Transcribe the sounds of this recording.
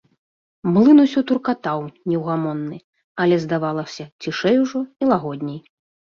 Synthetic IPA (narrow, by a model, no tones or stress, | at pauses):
mlˠɨnusʲut̪urkat̪awnʲɛwɣamɔnːɨ | ɐlʲɛzd̪avalˠɐsʲɐt͡sʲiʂɛjuʐɔilˠaɣɔd̪ʲnʲɛj